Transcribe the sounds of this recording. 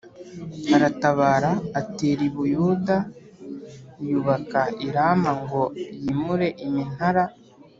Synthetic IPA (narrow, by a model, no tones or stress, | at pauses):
aɾataβaːɾaːteɾiβujuːda | juβakaiɾamaŋɡo̞jiːmuɾe̞ʔimin̥haɾa